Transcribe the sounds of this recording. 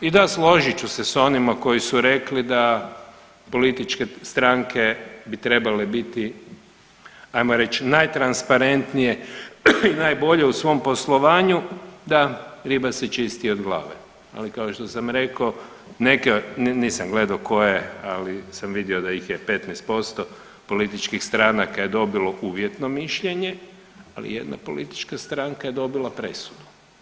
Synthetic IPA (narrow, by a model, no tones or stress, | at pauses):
id̪aslo̞ʒit͡ʃuseso̞nimako̞jisuɾe̞klid̪a | po̞lit̪it͡ʃkest̪ɾaŋkʰe̞bit̪ɾe̞balebit̪i | ajmoɾe̞t͡ʃnajt̪ɾanspaɾe̞nt̪nije̞ | inajbo̞ʎe̞usʋo̞mpo̞slˠo̞ʋaːɲud̪aɾibaset͡ʃist̪iod̪ɡlˠa̰ːʋe | a̰likaoʃt̪o̞samɾe̞ko | ne̞kenniːsamɡle̞d̪aoko̞jealisamʋid̪jio̞d̪aixjepe̞t̪nɛst̪̚po̞st̪o | po̞lit̪it͡ʃkixst̪ɾanakaje̞d̪o̞biloʔuːʋje̞t̪no̞miʃʎe̞ɲe̞ | alḭje̞̰d̪na̰po̞lit̪i̥t͡ʃkast̪ɾaŋkaje̞d̪o̞bilˠapɾe̞sud̪u̥